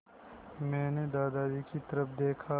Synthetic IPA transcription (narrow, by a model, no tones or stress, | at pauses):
mɛ̃ːned̪aːd̪aːd̪ikit̪ɐɾəfd̪eːkʰa